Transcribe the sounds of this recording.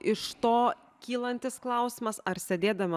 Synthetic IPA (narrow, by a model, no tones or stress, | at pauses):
ɪʃt̪oː | kʲiːlˠɐnʲt̪ʲɪsklˠɐʊsʲɪmɐsɐɾsʲɛd̪ʲeːd̪ɐmʲɐ